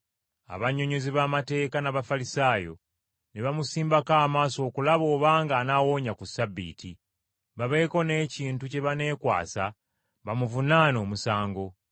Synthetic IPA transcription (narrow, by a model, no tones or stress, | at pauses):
a̰βaɲoɲoziβamate̞ːkanaβafalisaːjo̞̰ | neβamusiːmbakaːmaːso̞ːkulaβo̞ːβaːŋɡaːnawo̞ːɲakusabːḭːtʰi | βaβe̞ːko̞ne̞ːciːntuce̞βane̞ːkwa̰ːsa | βamuvunaːno̞ːmusaːŋɡo̞